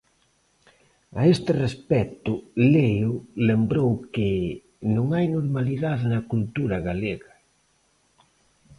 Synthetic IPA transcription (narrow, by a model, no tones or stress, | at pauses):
aest̪ɪrespɛt̪ʊlejʊlembɾowkɪ | nõŋajnoɾmaliðaðnɐkult̪uɾɐɣaleɣɐ